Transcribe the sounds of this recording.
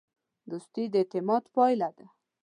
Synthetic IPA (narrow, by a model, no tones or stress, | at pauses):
d̪ust̪id̪et̪ɪmɑt̪pɑjlad̪a